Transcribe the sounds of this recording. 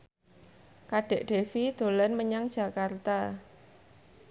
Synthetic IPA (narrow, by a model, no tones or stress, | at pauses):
kaɖ̥e̤ʔɖ̥e̤fid̪̥o̤lɛnməɲaŋdʒ̥a̤kart̪a